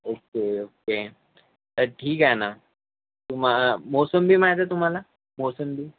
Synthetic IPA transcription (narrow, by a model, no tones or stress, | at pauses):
okeoke | t̪əɾʈʰiːkana | t̪um̤amɔsəmbʱiːmaɦt̪at̪um̤ala | mɔsəmbʱiː